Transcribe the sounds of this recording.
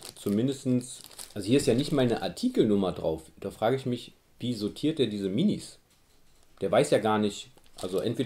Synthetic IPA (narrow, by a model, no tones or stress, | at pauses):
t͡sumɪndəstn̩sʔalzohiːɐɪstjaːnɪçtmaɪlnəʔa̰ɐtʰiːkl̩nʊmɐdʁa̰ʊfd̥aːfʁ̥aːɡəɪçmɪç | viːzotʰiːɐt̚d̥eːɐdiːzəminḭs | d̥eːɐvaɪsjaːɡaːɐnɪçt | ʔa̰lzoʔɛ̰ntv̥eːɐ